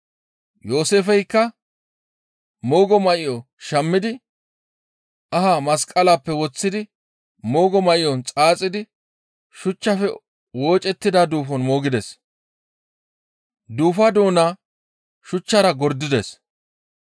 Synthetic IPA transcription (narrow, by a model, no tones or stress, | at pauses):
jo̞ːseːfɛjkːɐ | mo̞ːɡɔmɐʔɪjɔ | ʃɐmːɪd̪ɪ | ʔɐhamɐskʼɐlaːpːɛwɔt͡sːɪd̪ɪ | mo̞ːɡɔmɐʔɪjɔnt͡sʼaːt͡sʼːɪd̪ɪ | ʃʊt͡ʃːɐfɛ | wo̞ːt͡ʃʼɛt̪ːɪd̪ad̪uːfɔnmo̞ːɡɪd̪ɛs | d̪uːfɐd̪o̞ːnaː | ʃʊt͡ʃːɐɾɐɡɔɾd̪ːɪd̪es